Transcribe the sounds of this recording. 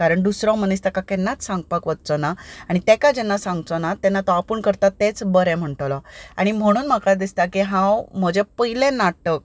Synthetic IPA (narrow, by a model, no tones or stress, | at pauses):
kaɾəɳd̪usɾãmənis̬t̪akakɛnːat͡ssãŋɡ̚pakʋəd̪̚t͡sɔnaaɽ̃it̪ɛkad͡ʑɛnːasãŋɡt͡sɔnat̪ɛnːat̪ɔapəːɳkəɾt̪at̪ːet͡sbəɾɛm̤əɳʈlaa̰ɽ̃im̤əɽ̃uːnm̤akad̪ist̪akiɦãwm̤əd͡ʑepəɦilẽnaʈək̚